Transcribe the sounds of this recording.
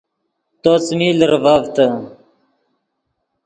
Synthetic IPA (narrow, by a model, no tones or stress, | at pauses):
t̪ot͡smilɾvavt̪ə